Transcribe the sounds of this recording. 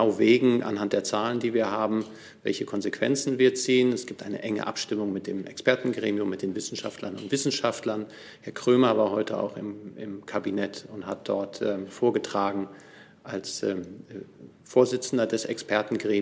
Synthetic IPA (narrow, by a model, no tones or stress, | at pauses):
aʊveːɡŋ̩ʔa̰nhantd̥eːɐt͡saːləndiːviːɐɦaːbm̩ | vɛ̰lçəkʰɔnzekv̥ɛ̰nt͡sn̩viːɐt͡siːənɛsɡ̥iːp̚tʔaɪnə̰ʔɛŋə̰ʔa̰pʃtɪmʊŋmɪt̚d̥eːmʔɛ̰kspɛɐtn̩ɡʁeːmjʊmːɪt̚d̥eːnvɪsn̩ʃa̰ftlɐnʊntv̥ɪsn̩ʃaftlɐn | hɛɐkʁ̥øːmɐvaːɐɦɔʏtʰəa̰ʊxɪ̰mɪmkʰabinɛtʊnthat̚d̥ɔɐtɛːfoːɐɡətʁ̥aːɡŋ̩ | ʔalsɛː | foːɐzɪt͡sn̩dɐdɛsɛkspʰɛɐtn̩ɡʁeː